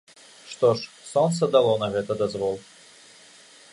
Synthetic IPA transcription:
ʂt̪ɔʂ | sɔnt̪səd̪ɐlˠɔnɐɣɛt̪ɐd̪ɐzvɔlˠ

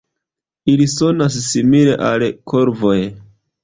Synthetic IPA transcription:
iliso̞nasːimile̞ʔalkʰoɾvo̞j

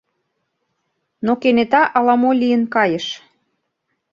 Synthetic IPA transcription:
nokenet̪ɑʔɑlɑmolʲijə̆nkɑjəʃ

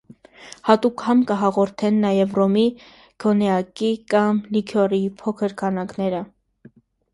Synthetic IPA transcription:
hɑt̪ukhɑmkəɦɑʁɔɾt̪ʰɛnːɑjɛvrɔmi | ɡ̥ʰɔnɛɑkikɑmlikʰɔripʰɔkʰəɾkʰɑnɑknɛɾə

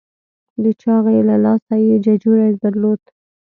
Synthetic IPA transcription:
d̪ət͡ʃɑɣelalɑsajed͡ʒad͡ʒuɾad̪aɾlod̪

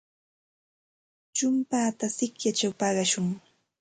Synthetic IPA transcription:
t͡ʃʊmpaːt̪asɪkjat͡ʃawpɑɢɑʃʊŋ

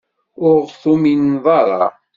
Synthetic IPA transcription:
ʊɾθuminðˤɑɾˤɑ̰

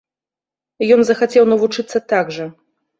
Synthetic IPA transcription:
jɔnzɐxat͡sʲɛwnɐvut͡ʂɨt̪sːɐt̪aɡʐɐ

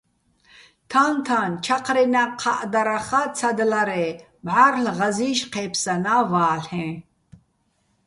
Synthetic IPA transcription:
t̪ʰant̪ʰant͡ʃʰaqʰɾɛnaqʰaʔd̪aɾaχat͡sʰad̪laɾɛ | bʕaɾɬʁaziːʃqʰɛːpʰsanavaːɬɛ̃

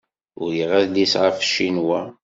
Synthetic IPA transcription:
ʊɾjiʁæðd̪isʁafʃinwæ

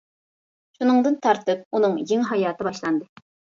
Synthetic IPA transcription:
ʃunɨŋd̪ɨnt̪ʰɑɾt̪ʰɨp̚unɨŋjiŋɦɑjɑːt̪ʰɨbɑʃlˠɑnd̪ɨ

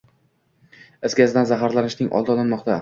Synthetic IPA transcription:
ɪsɡʲazɪd̪anzaɦaɾlanɪʃnɪŋʔɒ̰lˠd̪ɒlˠanmɒqt̪ʰa

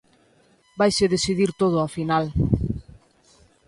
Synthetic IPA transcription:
bajseðesiðiɾt̪oð̞ʊafinal

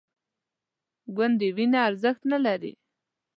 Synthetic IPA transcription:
ɡand̪ewinaːɾzəxt̪nalaɾḭ

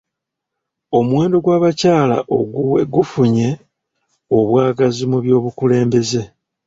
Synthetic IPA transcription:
o̞mwe̞ːndo̞ɡwaːβacaːla̰ʔoɡuweɡufuɲe̞ | o̞βwaːɡazimuβjo̞ːβukule̞ːmbe̞ze̞

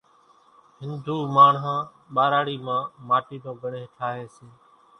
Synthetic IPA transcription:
ɦɪnd̪ʱuːmaːɳɦãː | ɓaːɾaːɽiːmãːmaːʈiːd̪õːɡʱəɳẽːʈʰaːɦeːseː

